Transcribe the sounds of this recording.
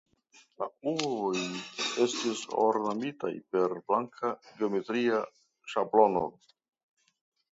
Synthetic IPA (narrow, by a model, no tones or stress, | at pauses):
lauoje̞stiso̰ɾnamita̰jpe̞ɾblaŋkʰaɡeome̞tɾia | ʃablo̞no̰